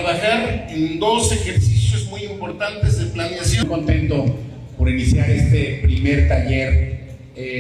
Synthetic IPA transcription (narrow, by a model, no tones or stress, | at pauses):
aβaxaɾend̪o̞se̞xeɾsisjo̞zmujimpo̞ɾt̪ant̪e̞zðeplanejasjojkont̪e̞nt̪o̞ | po̞ɾinisjaɾe̞st̪epɾime̞ɾt̪aʝe̞ɾ | e